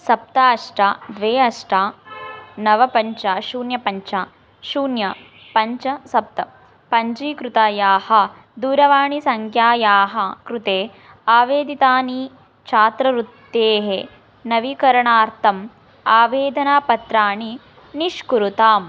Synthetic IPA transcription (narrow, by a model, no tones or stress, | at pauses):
sɐp̚t̪aɐʂʈaːd̪ʋeːɐʂʈaː | nɐʋɐpɐɲt͡ʃaːʃuːnjɐpɐɲt͡ʃaː | ʃuːnjɐ | pɐɲt͡ʃɐsɐp̚t̪ɐ | pɐɲd͡ʒiːkɾut̪aːjaːhɐ | d̪uːɾɐʋaːɳisɐŋkʰjaːjaːɦɐkɾut̪eː | aːʋeːd̪it̪aːni | t͡ʃʰaːt̪ɾɐɾut̪ːeːɦe | nɐʋikɐɾɐɳaːɾt̪ʰɐm | aːʋeːd̪ʱɐnaːpɐt̪ɾaːɳi | niʃkuɾut̪aːm